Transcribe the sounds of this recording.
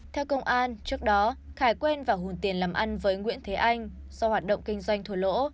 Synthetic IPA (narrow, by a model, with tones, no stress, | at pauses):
t̪ʰɛ˧wkə˧wŋ͡mʔaː˧nt͡ɕɨ˦˥ək̚ɗɔ˨˦xaː˨˩jkwe˧nvaː˨˩ɦu˨˩nt̪i˨˩ənlaː˨˩mʔa˧nvəː˨˦jŋwḭ˧˥ənt̪ʰe˨˦ʔa˧jŋ̟zɔ˧hwaː˨˩t̚ɗə̰˧˨wŋ͡mkï˧ŋ̟zwa˧jŋ̟t̪ʰu˧˩lo̰˧˥